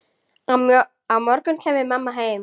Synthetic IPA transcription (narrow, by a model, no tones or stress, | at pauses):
a | amɔɾkʏncʰɛːmɪmamːaɦeːjm